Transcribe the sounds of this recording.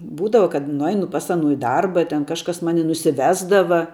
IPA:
ˈbuːdɐʋɐ kɐt nʊˈɐɪnʊ pɐs ˈɑːnʊ ɪ ˈdɐrbɐ ˈtʲɛn ˈkɑːʃkɐs ˈmɑːnʲɪ nʊsʲɪˈʋʲæːzdɐʋɐ

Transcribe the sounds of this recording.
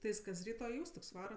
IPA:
tʲɪ ˈjɪs kɐs ˈrʲiːtoː ɪ ˈuːstʊkʲsʲ ˈʋɑːrɐ

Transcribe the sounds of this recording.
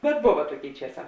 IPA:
bʲɛt ˈboːʋɐ ˈtuɔˌkʲeːɪ ˈt͡ʃʲiɛˌsɑː

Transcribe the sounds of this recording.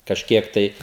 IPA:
kɐʃʲˈkʲiɛk tɐɪ

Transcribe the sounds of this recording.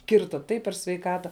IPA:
ˈkʲɪrtɐ ˈtɐɪp pʲɛr sʲʋʲɛɪˈkɑːtɐ

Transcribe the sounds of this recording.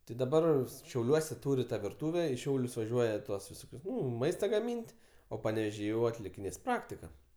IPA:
tʲɪ dɐˈbɐr ʃʲɛʊˈlʲuɔsʲɛ ˈtuːrʲɪ ˈtɑː ʋʲɪrˈtuːʋʲɛ ɪ ˈʃʲɛʊlʲʊs ʋɐˈʒʲuɔjɛ ˈtuɔs ʋʲɪˈsoːkʲʊs ˈnʊ ˈmɐɪstɐ ɡɐˈmʲiːnʲtʲ oː pɐnʲɛʋʲɛˈʒʲiː jɛʊ ɐtʲlʲɪkʲɪˈnʲeːs ˈprɑːktʲɪkɐ

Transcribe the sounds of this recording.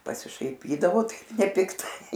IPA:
pɐsʲɪʃɐɪˈpʲiːdɐʋoː ˈtɐɪp nʲɛpʲɪkˈtɐɪ

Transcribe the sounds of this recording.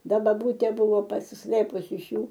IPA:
ˈdɐ bɐˈbuːtʲeː ˈbuːʋoː pɐsʲɪsˈlˠɘpʊs ɪʃ ˈjuː

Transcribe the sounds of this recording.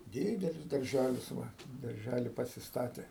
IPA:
ˈdʲɪdʲɛlʲɪs dɐrʲˈʒʲælʲɪs ˈʋɐ dɐrʲˈʒʲælʲɪ pɐsʲɪsˈtɑːtʲeː

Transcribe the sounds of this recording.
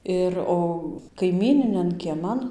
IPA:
ˈɪr oː kɐɪˈmʲiːnʲɪnʲɛn kʲiɛˈmɐn

